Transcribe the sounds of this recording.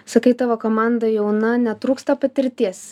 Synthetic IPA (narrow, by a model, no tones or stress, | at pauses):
sɐkʲɐɪt̪ɐʋokoːmɑˑnd̪ɐjɛʊnɐnʲɛt̪ɾuːkst̪ɐpɐt̪ʲɪɾʲt̪ʲiɛs